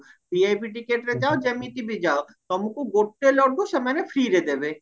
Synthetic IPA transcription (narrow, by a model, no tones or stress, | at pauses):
biajpiʈikeʈɾed͡ʑaod͡ʑemit̪ibid͡ʑao | t̪ɔmukuɡoʈːelɔɖoʃemanefɾiɾed̪ebe